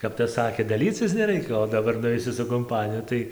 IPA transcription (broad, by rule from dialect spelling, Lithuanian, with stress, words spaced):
kɐp ˈtɐs ˈsɑːkʲeː dɐˈlʲiːt͡sʲɪs nʲɛˈrɐɪkʲɛ oː dɐˈbɐr nʊˈʋʲɛɪsʲɪ sʊ kʊmˈpɑːnʲɪjʊ ˈtɐɪ